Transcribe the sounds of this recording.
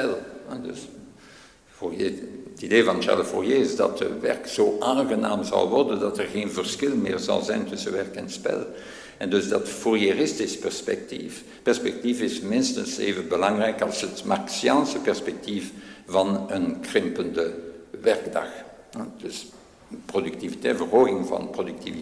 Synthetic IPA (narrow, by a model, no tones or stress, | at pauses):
ɛlɛdə̰s | forjeətideːvɑnʃa̰ɹləfo̰rjeɪzdɑ̰tə̰ʋɛrkzoːʔaːnɣəna̰ːmzɑ̰lˠʋɔ̰rdəndɑtɛrɣeːnvərsxɪlˠmɪːrzɑ̰lˠzɛjntʏsənʋɛrkɛnspɛ̰lˠ | ɛndɵzdɑtfurjerɪstɪspɛrspɛ̰k̚tḭf | pɛrspɛk̚tifɪsmɪnstənsḛːvənbəlɑŋrɛjkɑlˠsɦətmaksjɑnsəpɛrspɛk̚tifvɑnənkrɪmpəndəʋɛrɡdɑ̰x | d̥əs | prodyktivitɛtvərɦoːɣɪŋvɑ̰nprodyk̚tivi